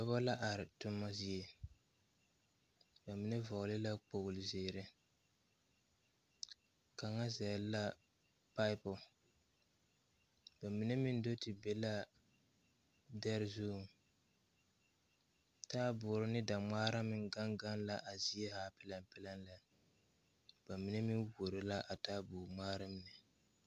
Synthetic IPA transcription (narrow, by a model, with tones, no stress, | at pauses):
ba˦ba˦la˦ʔa˨ɾɪ˨tʊ˦mːa˦zi˨e˦ | ba˨mi˨nɛ˦vɔ˨ʔʊ˨lɪ˦la˦k͡po˨ɣʊ˨lɪ˨zeː˨ɾɪ˦ | ka˨ŋa˦zɛ˨lla˦ | pa˦ɪ˦pɔ˨ | ba˨mi˨ne˦mɪ˦n˦do˦tɪ˨be˨la˦ | dɛ˦ɾzu˦˨ | taː˦bʊː˨ɾɪ˦nɪ˦da˨ŋ͡maː˦ɾa˦mɪ˨ŋɡa˦ŋɡa˦nla˦ʔa˨zi˦ɛ˦haː˦pɪ˦la˦mpɪ˦la˦nla˨ | b̥a˨mi˨ne˦mi˦nwo˨ɾɪ˨la˦ʔa˨taː˦bʊː˨maː˦ɾa˦mnɪ˨